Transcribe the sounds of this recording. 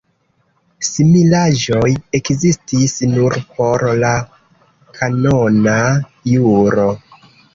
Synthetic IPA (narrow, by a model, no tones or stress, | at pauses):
similaʒo̞je̞kzistisnuɾpo̞ɾla | kʰanonajuɾo̞